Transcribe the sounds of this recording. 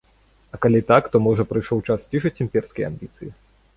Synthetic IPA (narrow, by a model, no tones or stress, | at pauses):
ɐkalʲit̪akt̪ɔmɔʐɐpɾɨjʂɔwt͡ʂast͡sʲiʂɐt͡sʲimʲpʲɛrskɐja̰mʲbʲit̪sɨji